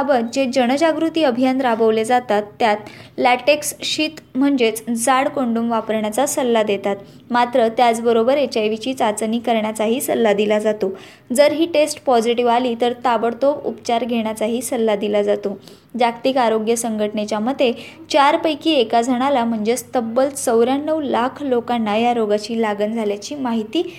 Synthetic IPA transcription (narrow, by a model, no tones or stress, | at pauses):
abəd͡ʑed͡ʑəɽ̃əd͡ʑaɡɾut̪iːəbʱijand̪ɾabəʋled͡zat̪at̪ːjat̪̚læʈeksɕiːt̪m̤əɳd͡zet͡sd͡zaɽkoɳɖuːmʋapəɾɳjat͡sasəlːad̪et̪at̪ | mat̪ɾət̪jat͡sbəɾobəɾet͡ɕajʋit͡ɕiːt͡sat͡sniːkəɾɳjat͡saɦiːsəlːad̪ilad͡zat̪o | d͡zəɾɦiːʈesʈpɔd͡ziʈiʋaliːt̪əɾt̪aʋəɽt̪okṵpt͡ɕaɾɡʱeɽ̃jat͡saɦiːsəlːad̪ilad͡zat̪o | d͡ʑakt̪iːkaɾoɡjəsəŋɡʱəʈnet͡ɕjaməd̪ʱːje | t͡ɕaɾpəjkiːekad͡zʱəɽ̃alam̤əɳd͡zet͡st̪əbːəlt͡səwɾjanːəʋlakʰlokanːajaɾoɡat͡ɕiːlaɡənd͡zʱaljat͡ɕiːmaɦit̪iː